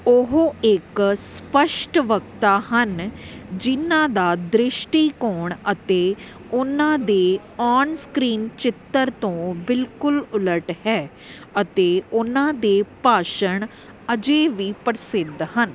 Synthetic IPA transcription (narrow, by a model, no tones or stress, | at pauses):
ʊɦoːɪkspəʃʈʋəkt̪aːhənd͡ʒɪnãːd̪aːd̪ɾɪʃʈiːkoːɳət̪eː | ʊnãːd̪eː | ɔːnskɾiːnt͡ʃɪt̪ːəɾt̪õːbɪlkʊlʊləʈhɛː | ət̪eːʊnãːd̪eːpaːʃəɳ | əd͡ʒeːʋiːpəɾsɪd̪ɦən